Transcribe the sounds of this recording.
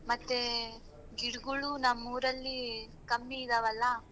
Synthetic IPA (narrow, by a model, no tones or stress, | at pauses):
mɐt̪ːe | ɡiɽuɡuɭunɐmːuːɾɐlːi | kɐmːiːd̪ɐʋɐlːɐ